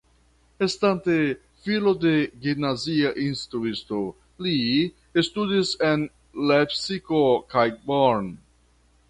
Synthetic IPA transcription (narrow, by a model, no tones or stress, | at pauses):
est̪ant̪e | filode̞ɡimnaziaʔinstt̪ɾuisto | li | est̪udisen | lepsikokajboɾn